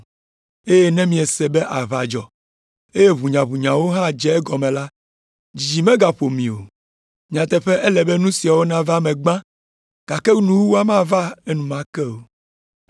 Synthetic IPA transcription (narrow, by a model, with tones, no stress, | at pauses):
e˦je˦nɛ̃˦mĩ˨ɛ˨sɛ˨bɛ˦ʔa˨va˨d͡ʒɔ˨ | e˦je˦βu˨ɲã˨βu˨ɲã˨wo˦ɦã˦d͡ʒɛ˨˦ɡɔ˨mɛ̃˨la˦ | d͡ʒi˨mɛ̃˦ɡa˨ɸo˨mĩ˨o˨ | ɲĩ˨ã˨t̪ɛ˦ɸɛ˦ʔɛ˦lɛ˨bɛ˦nũ˦si˨a˨wo˦nã˦va˦mɛ̃˨ɡ͡bã˦ | ɡ̥a˨kɛ˦nũ˦wu˦wo˦a˦mã˦va˦e˦nũ˨mã˦kɛ˦wo˨